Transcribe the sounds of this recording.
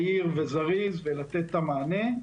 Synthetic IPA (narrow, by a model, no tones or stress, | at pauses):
iʁvezaʁizvelat̪et̪ːamaːne̞